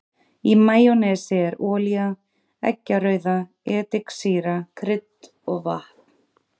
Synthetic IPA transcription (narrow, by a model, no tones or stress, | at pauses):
imaːjɔnɛsɪɛɾɔːlja | ɛ̰cːaɾœɥða | ɛːt̪ɪksiːɾakʰɾɪt̪ | ɔɣva̰ht̪̚n̥